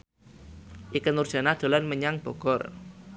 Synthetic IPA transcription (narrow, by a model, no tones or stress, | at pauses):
ʔikənurdd͡ʒ̥a̤nad̪̥o̤lanməɲaŋb̥ɔ̤ɡ̥ɔr